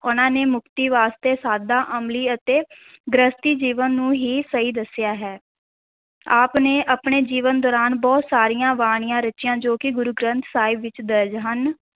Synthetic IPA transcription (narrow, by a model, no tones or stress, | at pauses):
ʊnãːneːmʊkt̪iːʋaːst̪eːsaːd̪aːʔəmliːət̪eː | ɡɾəst̪iːd͡ʒiːʋənːũːɦiːsəiːd̪əsɪjaːɦɛː | aːpneːʔəpɳeːd͡ʒiːʋənd̪ɔːɾaːnbɔːt̪saːɾijãːʋaːɽ̃ɪjãːɾət͡ʃɪjãːd͡ʒoːkɪɡʊɾʊɡɾə̃nt̪ʰsaːɪbʋɪt͡ʃd̪əɾd͡ʒɦən